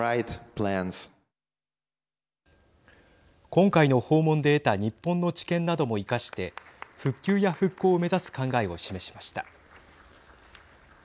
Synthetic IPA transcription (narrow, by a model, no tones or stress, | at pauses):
ajt̪plæ̃nz̥ | kõ̞ŋkaino̞ho̞ːmõ̞nd̪e̞ːt̪aɲ̟ipːõ̞nːo̞t͡ɕi̥kẽ̞nːad̪o̞mo̞ikaɕi̥t̪e̞ɸɯ̟kʲːɨːjaɸɯ̟kːo̞ːme̞zasɨ̥kãŋɡaeo̞ɕime̞ɕi̥maɕi̥t̪a